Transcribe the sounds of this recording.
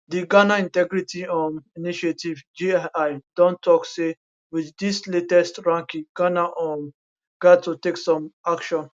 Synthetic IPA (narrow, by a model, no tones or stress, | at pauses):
d̪iɡanaĩntɛɡɾitʰiɔ̃miniʃetivd͡ʒiajd̥ɔ̃ntːɔkse | wid̪ːisletɛstɹãŋkiɡ̥anaʔɔ̃m | ɡ̥ad̚tuteksɔ̃makʃɔ̃n